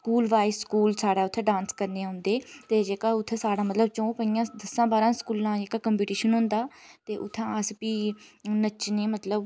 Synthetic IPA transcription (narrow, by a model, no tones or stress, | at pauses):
skuːlʋaːiskuːlsaːɽaːʊt̪ʰːeːɖãːnskəɾneːaɦʊ̃nd̪eːt̪eːd͡ʒeːkaːʊt̪ʰːeːsaːɽaːmət̪ləb̚t͡ʃõːpəiːjãːd̪əsãːbaːɾãːskuːlãːd͡ʒeːkaːkəmpiːʈiːʃənɦʊ̃ːnd̪aːt̪eːʔʊ̰t̪ʰːãːəspiːnət͡ʃneːmət̪ləb